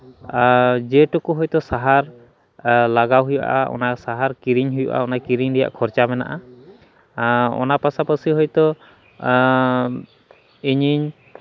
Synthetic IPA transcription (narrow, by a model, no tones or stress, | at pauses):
d͡ʒɛʈɔkuɦɔjt̪ɔsaɦaɾ | laɡawɦuja̰ʔa̰ɔ̰nasaɦaɾkiɾiɲɦujɔʔa̰ɔnakiɾiɲɾɛja̰ʔkʰɔɾt͡ʃamɛna̰ʔa | ɔ̰napasapəsiɦɔjt̪ɔ | iɲiɲ